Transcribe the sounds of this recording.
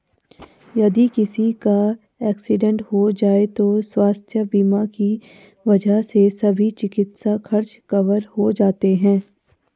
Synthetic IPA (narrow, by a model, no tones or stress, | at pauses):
jɐd̪ikɪsika | ɛːksɪɖɛ̃ɳʈhod͡ʒaːet̪oswaːst̪ʰjəbiːmaki | ʋɐd͡ʒʱaɦsesɐbʱit͡ʃɪkɪt̪saxɐɾt͡ʃkɐʋəɾɦod͡ʒaːt̪eɦɛ̃ː